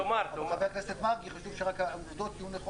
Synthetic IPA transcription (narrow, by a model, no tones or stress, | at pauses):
omaɾeχabekleset̪maʁɡiχaʃuvʃeʁakauvd̪o̞t̪ijuneχo